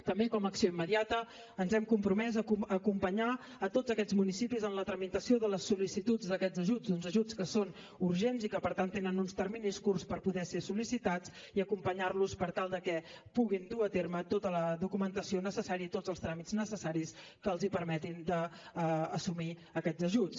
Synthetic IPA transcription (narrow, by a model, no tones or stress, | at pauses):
t̪əmbekɔməksioimːəðiat̪ə | ənzɛmkumpɾumɛzəkuəkumpəɲa | ət̪od͡zəkɛd͡zmunisipizənlət̪ɾəmit̪əsioðələsːulisit̪ud͡zd̪əkɛd͡zəʒud͡zunzəʒut͡skəson | uɾʒenzikəpəɾt̪ant̪ːenənunst̪ərminiskurspəɾpuðɛsesulisit̪ad͡z | iəkumpəɲarluspəɾt̪alˠd̪əkɛpuɣind̪uət̪ermət̪ot̪ələðukumənt̪əsionəsəsaɾiəit̪ozəlˠst̪ɾamiznəsəsaɾis | kəlˠzipəɾmɛt̪ind̪əː | sumiəkɛd͡zəʒut͡s